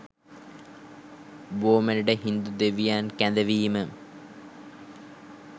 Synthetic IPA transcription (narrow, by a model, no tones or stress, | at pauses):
ʋoːmɐnuɖeɦind̪ud̪eʋijaːnkæ̃nd̪ɐʋiːmɨ